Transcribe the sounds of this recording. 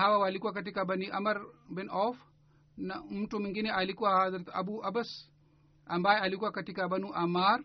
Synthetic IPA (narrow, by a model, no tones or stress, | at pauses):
ɦawawalikuwakɐtikabɐniʔɐmɐɾbinɔf | nɐmutumiŋɡiniʔalikuwahazɾɐt̪ɐ̰buʔɐbɐs | ɐmbaːjealikuwakɐtikabɐnuʔɐmaːɾ